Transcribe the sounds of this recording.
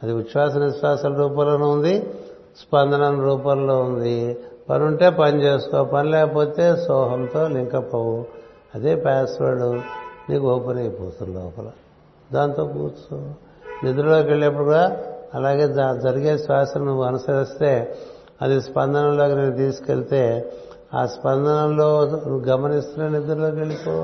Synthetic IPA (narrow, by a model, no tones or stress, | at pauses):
ɐd̪iʋiʃʋaːsɐnʋiʃʋaːsɐlɾuːpɐlɐnund̪i | spɐnd̪ɐnɐmɾuːpɐlloːund̪ipɐ̰nuɳʈe̞ːpɐnit͡ʃe̞ːsu̥kɔːpɐnilɛːkɐpo̞ːt̪e̞ːsɔːɦɐmt̪o̞ːliŋkɐpɐwu | ɐd̪eːpaːsʋɐɽuniːkoːpɐnɐjpoːt̪unlɔ̰ːpɐlɐ | d̪aːnt̪o̞ːkuːt͡ʃu | nid̪uɾulo̞ːkeɭːiɐp̬ːuɽɡaːɐlaːɡe̞ːd͡ʒɐɾiɡeːsʋaːsɐnɐnuʋːuɐnɐsɐɾist̪e̞ː | ɐd̪ispɐnd̪ɐnɐlo̞ːkineːnut̪iːsu̥kelit̪e̞ː | a̰ːspɐnd̪ɐnɐloːnuʋɡɐmɐnist̪unɐnid̪uɾuloːkeɭipoː